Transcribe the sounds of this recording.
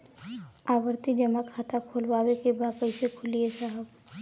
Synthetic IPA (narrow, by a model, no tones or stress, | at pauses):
aːbəɾt̪id͡ʒəmakʰaːt̪akʰolwaːwekebakəisekʰʊliesaɦəb